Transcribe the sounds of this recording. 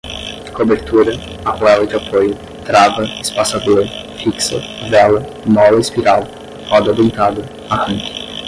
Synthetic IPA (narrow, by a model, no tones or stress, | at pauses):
kobeɾt̪uɾɐ | apoavɐd̪apʰojʊ | t̪ɾavɐispasad̪uɾɐ | fiksɐ̰ | vɛlɐ | mɔlɐispiɾal | ɔd̪ab̪ĩnt̪ad̪ʊ | ahɐ̃ŋk̪ɪ̥